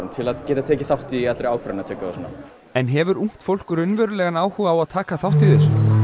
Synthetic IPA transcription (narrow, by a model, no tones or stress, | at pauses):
ɾnt̪ʰɪlaðcɛːt̪at̪ʰɛːcɪθawht̪iat̪lɾejawkʰvɾnat̪ʰœːkaasna̰ | ɛnɦɛvʏɾuŋ̥t̪fowl̥kʏɾʏnvɛɾʏlɛɣanaːwhuːɣaːwaðt̪ʰaːkaθawht̪iθɛs